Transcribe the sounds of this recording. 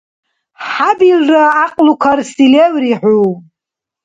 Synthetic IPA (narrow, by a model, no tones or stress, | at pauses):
ħabilraːqʼlukʷʰarsilewriħʷu